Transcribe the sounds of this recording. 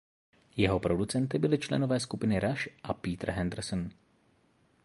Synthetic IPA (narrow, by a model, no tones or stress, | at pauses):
jɛɦo̞pɾo̞dut͡sɛnt̪ɪbɪlɪt͡ʃlɛ̰novɛːskupɪnɪɾaʃʔapiːt̪rɦɛnd̪r̩sn